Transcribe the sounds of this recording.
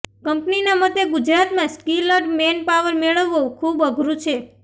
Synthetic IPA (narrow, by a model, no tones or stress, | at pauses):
kəmpninamət̪eɡʊd͡ʒɾat̪mãskiləɖmenpaʋəɾmeɭəʋːõkʰubəɡʱɾũt͡ʃʰe